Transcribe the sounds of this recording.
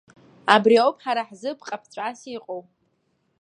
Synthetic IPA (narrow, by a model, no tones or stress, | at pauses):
abriawpʰʼħaɾaħzɨpʰqʼapʰt͡sʷʼasiqʼowʼ